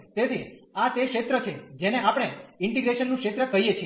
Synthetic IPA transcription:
t̪et̪ʰiat̪ekʃet̪ɾət͡ʃʰed͡ʒeneʔapɽ̃eɪɳʈiɡɾeʃənːũkʃet̪ɾəkəɦijet͡ʃʰie

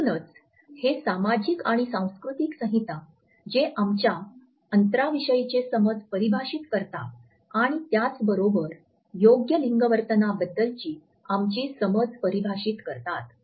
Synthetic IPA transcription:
punət͡s | hesamad͡ʑikaɽ̃isãw̃skɾut̪iksə̃ɦit̪a | d͡ʑeʔamt͡ɕja | ənt̪ɾaʋiɕəjt͡ɕesəməd͡zpəɾibʱaɕit̪kəɾt̪a | aɽ̃it̪jat͡sbəɾobəɾ | joɡjəliŋɡəʋəɾt̪ənabəd̪ːəlt͡ɕiː | amt͡ɕiːsəməd͡zpəɾibʱaɕiːt̪kəɾt̪at̪

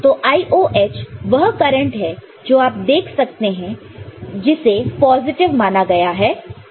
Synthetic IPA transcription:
t̪oːʔaːiʔoʔeːt͡ʃʋɐɦkɐɾə̃ɳʈɦɛ | d͡ʒoːaːp̚d̪eːkʰsɐk̚t̪eɦɛ̃ | d͡ʒɪsepɔːzɪʈɪʋmaːnaɡɐjaɦɛː

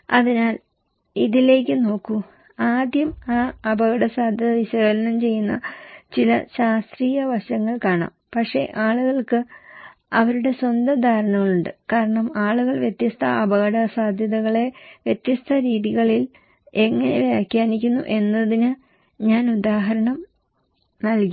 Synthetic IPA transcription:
ɐðinaːl | iðile̞ːkʲːɨno̞ːkːu | aːd̪ʱjɐmaːɐbɐɣɐɽɐsaːd̪ʱjɐðɐʋiɕɐɣːɾɐnɐmt͡ɕe̞jːunːɐ̰t͡ɕilɐ̰ɕaːst̪riːjɐʋɐɕɐŋːɐɭkaːɳa̰ːmpɐkʂe̞̰ʔaːɭuɣɐɭkɨ | ɐʋɐɾuɽe̞swɐnd̪ɐd̪ʱaːɾɐɳɐɣɐɭuɳɖɨkaːɾɐɳɐmaːɭuɣɐɭʋjet̪jɐst̪ʰɐɐbɐɣɐɽɐsaːd̪ʱjɐðɐɣɐɭe̞ʋjet̪jɐst̪ʰɐɾiːðiɣɐɭil | e̞ŋːɐne̞̰ʋjeːkʲːaːnikʲːunːṵʔe̞nːɐðinɨ | ɲaːnud̪aːɦɐɾɐɳɐm | nɐlki

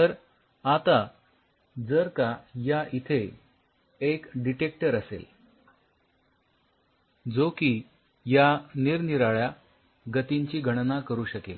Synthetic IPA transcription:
t̪əɾ | at̪a | d͡zəɾkajaʔit̪ʰe | ekɖiʈek̚ʈəɾəsḛl | d͡zokiː | janiɾniɾaɭja | ɡət̪iɲt͡ɕiːɡʱəɽ̃nakəɾuːɕəkel

